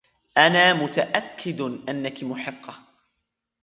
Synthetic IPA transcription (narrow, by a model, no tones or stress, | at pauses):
ʔanaːmʊt̪aʔakːɪd̪ʔanːakɪmʊħɪqːɑ